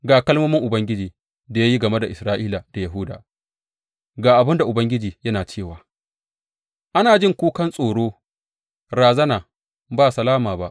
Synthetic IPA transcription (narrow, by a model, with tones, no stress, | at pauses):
ɡaː˨kɐ˦lmɐː˦mɪ˦ŋʔʊ˨bɐ˦ŋɡʲɪ˦d͡ʒiː˨ | da˨ja˦ji˦ɡɐ˨me˦da˨ʔɪ˨sɾaː˦ʔiː˦la˨da˨jɐ˨ɦʊ˦da̰ː˨ | ɡaː˨ʔa˨bɪ˦nda˨ʔʊ˨bɐ˦ŋɡʲɪ˦d͡ʒiː˨jɐ˦naː˨t͡ʃeː˦˨waː˨ | ʔa˦naː˨d͡ʒɪ˦ŋkʷuː˦kɐ˦nsʼoː˨ɽoː˦ | ɾaː˨zɐ˦naː˨ | baː˦˨sɐ˨laː˦maː˨ba˦ʔ